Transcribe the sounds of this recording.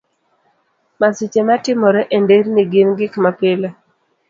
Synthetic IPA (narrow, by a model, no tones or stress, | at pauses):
masit͡ʃematɪmɔɾɛʔendeɾniɡɪnɡɪkmapɪle